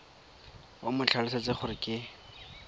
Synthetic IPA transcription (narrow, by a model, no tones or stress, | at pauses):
ʊmʊt͡ɬʰalɪsat͡seχʊɾɪkʼɪ